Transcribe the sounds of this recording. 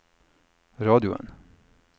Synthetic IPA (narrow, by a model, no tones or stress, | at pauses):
ɾɑːd̪ɪʊə̰n